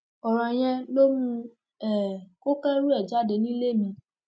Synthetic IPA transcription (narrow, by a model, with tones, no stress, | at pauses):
ɔ˨ɾ̃ã˨j̃ɛ̃˧no˦mũ˧ | ɛ˨ko˦kɛ˦ɾu˦ɛ˦˨d͡ʒa˨˦de˧˨nĩ˦le˦˨mĩ˧